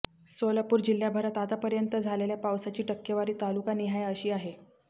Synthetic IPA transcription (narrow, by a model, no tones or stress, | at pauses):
solapuːɾd͡ʑil̤ːjabʱəɾat̪ad̪apəɾjənt̪əd͡zʱaleljapawsat͡ɕiːʈəkːjəʋaɾiːt̪alukaniɦajəɕiːaɦe